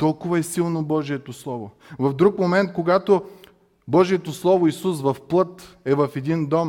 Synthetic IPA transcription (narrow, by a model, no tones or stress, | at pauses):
t̪ɔlˠkʊvɐɛsilˠnobɔʒijɛt̪oslˠɔvo | vɐfd̪ɾukmomɛnt̪̚koɡat̪o | bɔʒijɛt̪oslˠɔvoisusvɐfplˠɤt̪ɛvɐfɛd̪ind̪ɔm